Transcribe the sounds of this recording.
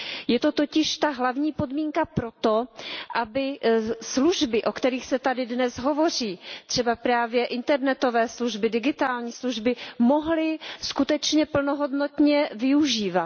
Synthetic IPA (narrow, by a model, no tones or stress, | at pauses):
jɛt̪o̞t̪o̞cɪʃt̪aɦlavɲiːpo̞dmiːŋkapɾo̞t̪oʔabɪsluʒbɪʔo̞kt̪ɛɾiːxsɛt̪adɪdnɛsɦo̞vo̞r̝iːt̪r̝̥ɛbapɾaːvjɛʔɪnt̪ɛɾnɛt̪o̞vɛːsluʒbɪdɪɡɪt̪aːlɲiːsluʒbɪmo̞ɦlɪskut̪ɛt͡ʃɲɛpl̩noɦo̞dno̞t̪ɲɛvɪuʒiːva